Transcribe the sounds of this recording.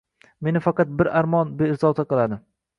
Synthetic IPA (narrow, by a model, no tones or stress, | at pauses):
me̞nɪfɑqɑt̪̚bɪɾaɾmɒnbeɪɾzɒt̪aqɨlˠad̪ɪ